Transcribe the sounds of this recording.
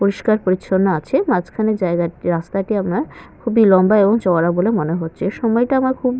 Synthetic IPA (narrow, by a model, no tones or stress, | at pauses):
poɾiʃkaɾpoɾit͡ɕːʰonːaat͡ɕʰemat͡ɕkʰaned͡ʑaeɡaiɾast̪aʈiamnakʰubilɔmbaeboŋt͡ɕɔaɾabolemoneɦotːɕʰeʃɔmɔjʈaamaɾkʰub